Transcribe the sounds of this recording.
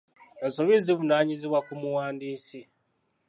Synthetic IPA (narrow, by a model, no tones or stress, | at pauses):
ensoβiziβunaːɲiziβwakumuwaːndiːsi